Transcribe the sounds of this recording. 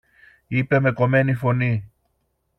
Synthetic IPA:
ipe̞me̞ko̞me̞nifo̞ni

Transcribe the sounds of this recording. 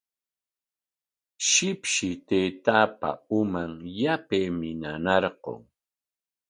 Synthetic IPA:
ʃɪpʃɪt̪ejt̪aːpa̰ʊmaŋjapejmɪnanɑɾqo̰ŋ

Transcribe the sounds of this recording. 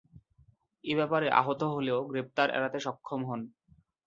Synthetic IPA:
ebɛpaɾeʔa̰ɦot̪oɦoleoɡɾep̚t̪aɾɛ̰ɾat̪eʃɔkʰːomɦɔn

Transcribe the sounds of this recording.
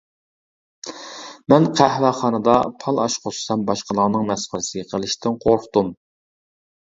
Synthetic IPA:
mɛnqʰæhwæχɑnɨd̪ɑpʰɑlˠɑ̰ʃqʰossɛmbɑʃqəlˠɑnɨŋmɛsχəlɨsɨqʰəlˠɪʃt̪ɪnqʰoɾχt̪um

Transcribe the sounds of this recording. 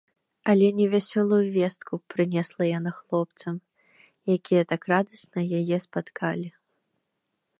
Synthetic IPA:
ɐlʲɛnʲɛvʲasʲɔlˠujuvʲɛst̪kʰupɾɨnʲɛslˠɐjanaxlˠɔpt̪sɐm | jakʲijɐt̪akrad̪ɐsnɐjajɛspat̪kʰalʲi

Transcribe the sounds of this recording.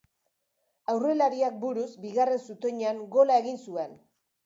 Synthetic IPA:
awre̞laɾiak̚buɾuzbiɣare̞nsut̪o̞ɲeaŋɡo̞lae̞ɣinsue̞n

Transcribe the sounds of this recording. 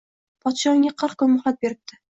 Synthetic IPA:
pʰɒt̪ʃɒŋʲaqʰɨɾqkʰʊnmʊχlˠat̪̚be̞ɾɪp̚t̪ʰɪ

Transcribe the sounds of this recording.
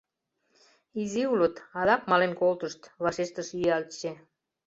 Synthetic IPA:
iziulət̪ɑd̪ɑkmɑlenkolt̪əʃt̪βɑʃeʃt̪əʃyɑlt͡ɕe

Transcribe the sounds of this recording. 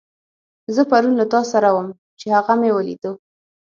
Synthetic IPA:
zəpaɾunlat̪ɑsaɾawəm | t͡ʃehaɣamewəlḭd̪ə

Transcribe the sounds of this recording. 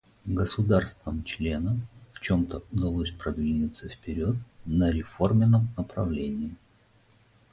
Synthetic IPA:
ɡəsʊd̪arst̪vəmt͡ɕlʲe̞nəmft͡ɕo̞mt̪əʊd̪ɐlˠosʲpɾɐd̪vʲinʲɪt̪səfpʲɪɾʲot̪nəɾʲɪfo̞rmʲɪnːəmnəpɾɐvlʲenʲɪɪ

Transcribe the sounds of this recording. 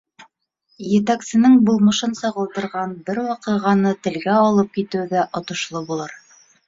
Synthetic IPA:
jɘ̆t̪æksɘ̆nɘŋbulˠmɤ̆ʃɤnsɑʁɤ̆lˠd̪ɤ̆ɾʁɑnbɘɾwɑqɤ̆ʁɑnɤt̪ɘ̆lɡæɑlˠɤp̚kit̪ɘ̆wðæʔŏt̪ŏʃlˠɤbulˠɤɾ

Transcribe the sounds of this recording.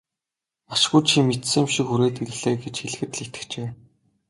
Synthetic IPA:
aʃɡujt͡ɕʰimet̪sɘ̆mʃikxuɾeːt̪iɾɘ̆ɮeːɡet͡ɕxiɮɘ̆xɘ̆t̪ɮit̪ɘ̥̆kt͡ɕeː

